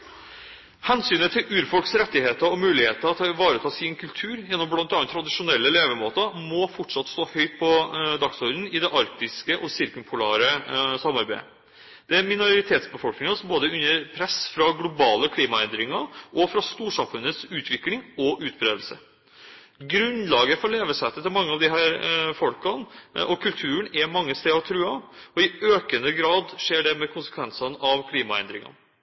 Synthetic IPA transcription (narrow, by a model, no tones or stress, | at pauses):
hɛnsyːnət̪ʰɪlʉːɾfɔlksɾɛt̪ːɪheːt̪əɾɔmʉːlɪheːt̪əɾɑt̪ʰɑʋɑːɾət̪ʰɑːsinkʰʉlt̪ʰʉːɾjɛnːɔmblɑnt̪ɑːnt̪ʰːɾɑd̪ɪʂʊnɛlːəleːʋəmoːt̪əmɔfɔʈʂɑt̪st̪oːhœʏt̪̚pʰɔd̪ɑksɔɾd̪n̩ɪd̪ɛʔɑɾk̚t̪ɪskəʔɔsɪɾkʉmpʰʊlæ̰ːɾəsɑmːɑɾbæɪə | d̪̥ɛæɾmɪnʊɾɪt̪ʰeːt̪sbəfɔlknɪŋɑsɔmboːd̪əʉnːəɾpʰɾɛsfɾɑɡlʊbɑːləkʰliːmɑɛnd̪ɾɪŋɑʔɔfɾɑst̪uːʂɑmfʉnːət̪sʉːt̪ʰʋɪklɪŋɔʔʉːt̪̚bɾeːd̪l̩sə | ɡɾʉnlɑːɡəfɔɾleːʋəsɛt̪ːət̪ʰɪlmɑŋːəɑʋd̪ɪɦæːɾfɔlkɑnʔɔkʰʉlt̪ʰʉːəɳɛmɑŋːəst̪eːɔt̪ʰɾʉːɑɔɪøːkənəɡɾɑːd̪ʂeːɖɛmɛkʰʊnsə̥kʰʋɛnsɑnɑʋkʰliːmɑɛ̰nd̪ɾɪŋɑ̰n